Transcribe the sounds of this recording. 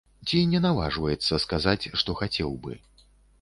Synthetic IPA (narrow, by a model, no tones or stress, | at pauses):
t͡sʲinʲɛnava̰ʐvɐjɛt̪sːɐskazat͡sʲʂt̪ɔxat͡sʲɛwbɨ̰